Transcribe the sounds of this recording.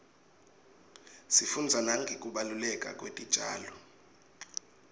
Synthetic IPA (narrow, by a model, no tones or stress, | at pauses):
sifund͡zʱanaŋɡʱikʼuɓalulɛkʼa̰k̬ʼwḛtʼid̥ʒ̥ʱaːlɔ